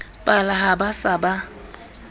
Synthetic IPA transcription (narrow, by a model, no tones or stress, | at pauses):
pʼalaɦabasaba